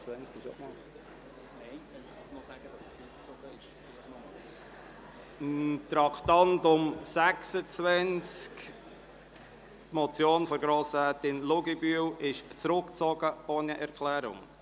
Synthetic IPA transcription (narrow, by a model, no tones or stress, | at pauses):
t͡sænt͡skɪʃona | nɛɪɛɑɪmɔzæɡ̥əd̥ɑsɪ | t͡soɡ̥əɪʃ | nɔm | nt̪ɾɑkt̪ɑntʊmsæksət͡sʋɛnt͡sk | tmɔt͡sjoːnfɔɾɡɾoːsæt̪ɪnlʊɡibyəwɪʃt͡sɾʊkt͡sɔɡ̥əoːniʔɛɾkʰlæːɾʊ̰ŋ